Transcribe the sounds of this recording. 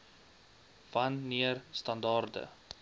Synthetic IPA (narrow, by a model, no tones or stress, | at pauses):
vɐnːiərstɐndɑrdə̰